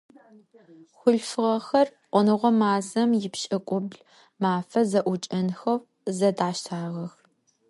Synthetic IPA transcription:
xʷʊɬfɨʁɐxɐrqʷɔnɨʁʷɔmaːzɐmjɪpʃʼɐkʷʼʊbɮ | maːfɐzɐʔʷʊt͡ʃʼɐnxɐw | zɐdaːʃtʰaːʁɐx

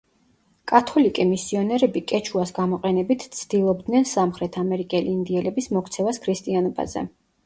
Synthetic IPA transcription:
kʼat̪ʰɔlikʼɛmisiɔnɛɾɛbikʼɛt͡ʃʰuasɡamɔqʼɛnɛbit̪ʰt̪sʰd̪ilˠɔbd̪nɛnsamχɾɛt̪ʰamɛɾikʼɛliːnd̪iɛlɛbismɔkʰt̪sʰɛvaskʰɾist̪ʼianɔba̰zɛ̰

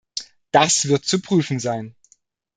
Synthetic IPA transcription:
d̥asv̥ɪɐt̚t͡supʁ̥yːfn̩zaɪn

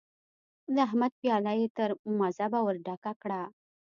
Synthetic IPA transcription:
d̪əaɦmad̪̚pjɑlajet̪əɾumazabawəɾɖakakɽa

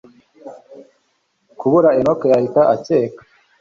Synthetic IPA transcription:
kuβuɾaenokejahitaʔateːkḁ

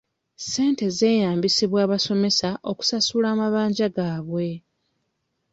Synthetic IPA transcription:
se̞ːnte̞ze̞ːjaːmbisiβwaːβaso̞me̞saʔo̞ku̥sasuːlaːmaβaːɲɟaɡaːβwe̞

